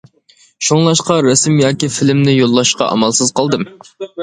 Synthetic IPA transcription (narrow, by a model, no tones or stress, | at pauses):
ʃoŋlˠɑʃqɑɾæsmjɑːkʲifɪlɪmnɪjolˠːɑʃqɑ̰ʔɑ̰mɑlˠsɨzqɑlˠd̪ɨm